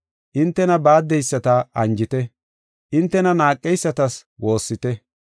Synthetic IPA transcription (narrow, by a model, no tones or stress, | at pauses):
ʔɪnt̪ːɛnɐbaːd̪ːɛjsːɐt̪ɐɐnd͡ʒɪt̪ɛ | ʔɪnt̪ːɛnɐnaːkʼːɛjsːɐt̪ɐswo̞ːsːɪt̪ɛ